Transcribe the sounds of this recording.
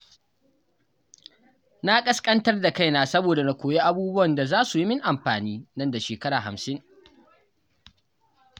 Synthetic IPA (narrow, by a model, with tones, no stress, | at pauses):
na˦kʼɐ˦skʼɐ˦ntɐ˦rda˨ka˦jnaː˨sɐ˦boː˨da˨na˨kʷoː˨je˦ʔa˦buː˦bʊ˦wɐ˨nda˨zaː˦su˨ji˦mɪ˦ŋʔa˨mɸaː˨niː˦nɐ˦nda˨ʃeː˨kɐ˦ɽaː˨ɦa̰˨msɪ˦ŋ